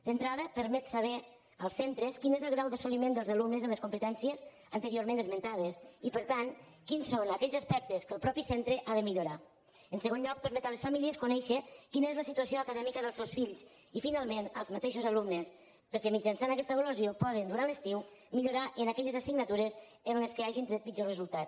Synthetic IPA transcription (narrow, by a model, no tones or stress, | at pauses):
d̪̥ənt̪ɾaðəpəɾmɛt̪saβ̞ɛ | əlˠsːent̪ɾəskinezəlˠɣɾawðəsolimend̪əlˠzalumnəzələskumpət̪ɛnsiəz | ənt̪əɾioɾmẽnd̪əzmənt̪að̞əsipəɾt̪an | kinsonakɛʎzaspɛk̚t̪əskəlˠpɾɔpisɛnt̪ɾəʔaðəmiʎuɾa | ənsəɣ̞onʎɔk̚pəɾmɛt̪aləsfamiliəskunɛʃəkinəezləsit̪uasioakəðɛmikəðəlˠsɛwsfiʎs | ifinalˠmenə̰lˠzmat̪eʃozalumnes | pəɾkɛmid͡ʒansanakɛst̪əβəluzjopɔð̞ənd̪uɾanləst̪iwmiʎuɾaʔənakɛʎəzasiɡnat̪uɾəz | ənleskəaʒint̪ɾet̪pid͡ʒorəzulˠt̪at̪